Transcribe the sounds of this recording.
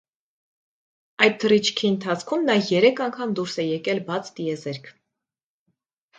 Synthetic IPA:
ɑjt̪̚t̪ʰːərit͡ʃʰkʰiənt̪ʰɑt͡sʰkʰumnɑjɛɾɛkʰɑŋkʰɑmd̪uɾsɛjɛkɛlbɑt͡sʰt̪iɛzɛɾkʰ

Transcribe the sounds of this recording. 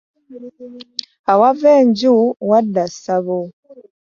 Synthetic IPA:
awaveːɲɟuwadasaβo

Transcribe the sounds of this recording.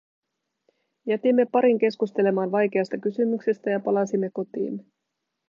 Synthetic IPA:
jæt̪imːe̞pɑɾiŋk̟e̞skust̪e̞le̞mɑːnʋɑjk̟e̞ɑst̪ɑkysymykse̞st̪æjɑpɑlɑsimːe̞ko̞t̪ḭːn

